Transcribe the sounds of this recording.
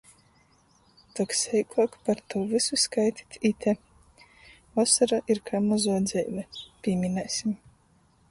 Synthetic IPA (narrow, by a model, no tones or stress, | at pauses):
t̪ɔksɛjkʰɔkpaɾt̪ʰɔwvisuskajt̪ʲi̥t̪ʰʲit̪ʰʲɛ | vɔsaɾaʔiɾkʰaːmɔzɔɔd̪zɛjvɛpʲiɛmʲinɛːsʲim